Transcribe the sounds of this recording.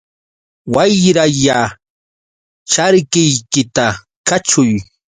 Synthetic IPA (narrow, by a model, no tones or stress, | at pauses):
wajɾaja | t͡ʃaɾkɪjkɪt̪a | kat͡ʃʊj